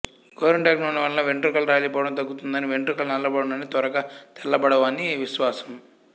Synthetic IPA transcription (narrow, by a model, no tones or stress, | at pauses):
ɡoːɾuɳʈaːknoːnɐʋɐlnɐʋeɳʈɾukɐlɾaːlipɔːɽɐmt̪̬ɐɡːut̪und̪ɐniʋeɳʈɾukɐlnɐlːɐbɐɽunɐnit̪ɐɾɐɡaːt̪ɛlːɐbɐɽɐʋaːniʋiʃʋaːsɐ̥m